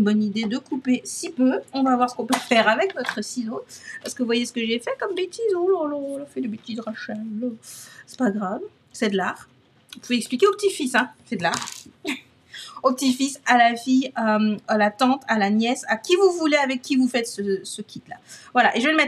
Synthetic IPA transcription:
ynbɔnid̪ed̪əkupesipøɔ̃vavwaʁsə̥kɔ̃pøfɛʁavɛknɔt̪χəsizopaʁsə̥kəvuvwajesə̥kəʒefɛkɔmbet̪izolalɔ̃lafɛd̪ebet̪izʁaʃalɔsɛ̥paɡʁav | sɛd̪əlaʁ | upuvɛɛksplikʲeopət̪ifisɛ̃fɛd̪laʁ | opət̪ifisalafiamalat̪ɑ̃t̪ʰalanjɛsakʲivuvuleavɛkʲːivufɛt̪səsəkʲʰit̪la̰vwalaʔeʒəveləmɛt̪

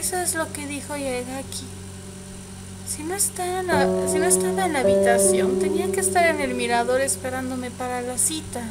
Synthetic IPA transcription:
eso̞ezlo̞ke̞ðixo̞jaɣakʰi | sinoest̪anasino̞est̪aβaenlaːβit̪asjo̞nt̪e̞niake̞ːst̪aɾe̞ne̞lmiɾaðo̞ɾe̞spe̞ɾand̪o̞me̞paɾalasit̪a

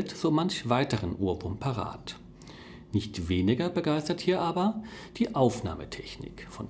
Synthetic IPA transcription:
tz̥oːmançv̥aɪtəʁənʔuːɐbʊmpʰaʁa̰ːt | nɪçtv̥eːnɪɡɐbəɡaɪstɐthiːɐʔaːbɐd̥iːʔaʊfna̰ːmə̰tʰɛçnɪ̰kfɔn

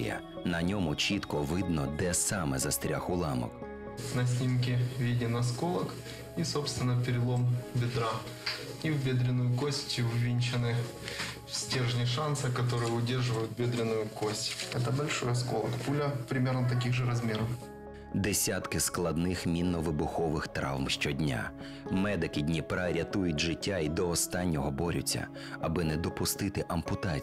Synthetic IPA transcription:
jɐ̰ | nɐnʲɔmʊt͡ʃit̪kɔʋɪd̪nɔd̪ɛsɑmɛ̰zɐst̪ɾʲa̰xʊlˠɑmɔ̰k | nɐsʲnʲimk̬ʲɪʋʲidʲɪnɐskolˠɐk | isopst̪ʋʲɪnːɐpʲɪɾʲɪlˠombʲɪd̪ɾa | iwbʲed̪ɾʲɪnːʊjʊkosʲtʲtʲɪwʋʲinʲt͡ʃɪnɨ | fsʲtʲerʐnʲɪʂansɨkɐt̪oɾɨjəʊdʲe̞rʐɨʋəjʊt̪̚bʲed̪ɾʲɪnʊjʊkosʲtʲɛt̪ɐbɐlʲʂɔjɐskɔ̰lˠɐkpulʲɐpɾʲɪmʲernɐt̪̬ɐk̬ʲiɣʐɨɾɐzmʲeɾɐf | d̪esʲat̪kɪsklˠɐd̪nɪxmʲinːɔʋɪbʊxɔʋɪxt̪ɾɑ̰wmʃt͡ʃɔdʲnʲa̰ | mɛd̪ɪkɪdʲnʲipɾɐɾʲɐt̪ujʊt̚ʲʐɪtʲːaid̪ɔːst̪ɑnʲːɔɦɔbɔɾʲʊ̰t͡sʲːɐ̰ | ɐbɪnɛd̪ɔpʊst̪ɪt̪ɪʔɐmpʊt̪at͡sʲ

